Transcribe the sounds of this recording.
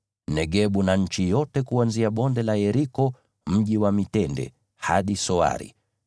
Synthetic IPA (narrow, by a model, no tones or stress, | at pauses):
nɛɠɛɓunaɲ̩t͡ʃijɔtɛkuanziaɓɔndɛlaɛɾikɔ | m̩ʄiwamitɛndɛ̰ | ha̰ɗisɔa̰ɾḭ